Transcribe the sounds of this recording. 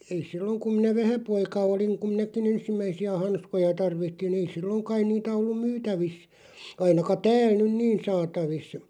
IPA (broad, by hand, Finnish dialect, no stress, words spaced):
ei silːoŋ kum̆ minæ ʋæhæpoikɑ oliŋ kum minækin ensimːæisiæ hɑnskojɑ tɑrʋitːin ei silːoŋ kɑin̆ niːtæ olːum myːtæʋis ɑinɑkɑ tæːl nyn niːn sɑːtɑʋis